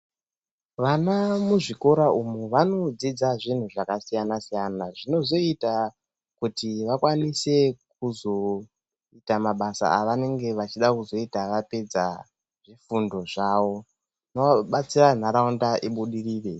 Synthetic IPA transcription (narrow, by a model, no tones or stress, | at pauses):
ʋanamuʐiko̞ɾaʔumuʋano̞d͡zid͡zaʐin̤uʐakasijanasijanaʐino̞zo̞ita | kutiʋakwanise̞k̚uzo̞ | itamaɓasa̰aʋane̞ŋɡe̞ʋat͡ʃiɗakuzo̞itaʋape̞d͡za | ʐ̥ifundo̞ʐaːʋo̞ | noaɓat͡siran̤aɾaundaʔiɓuɗiriːre̞